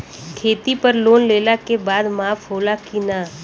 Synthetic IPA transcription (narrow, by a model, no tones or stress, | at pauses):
kʰeːt̪ipəɾloːnleːlakebaːd̪maːfɦoːlakinaː